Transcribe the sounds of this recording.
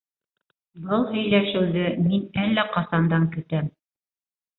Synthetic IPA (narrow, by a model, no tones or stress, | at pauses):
bɤlˠɦɵ̆jlæʃɘ̆wðɘminælːæqɑsɑnd̪ɑŋkɵ̆t̪æm